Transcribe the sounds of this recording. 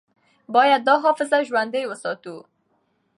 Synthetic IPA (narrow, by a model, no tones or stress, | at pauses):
bɔjad̪̚ːɔɦɔfɪzaʒwand̪ejwəsɔt̪u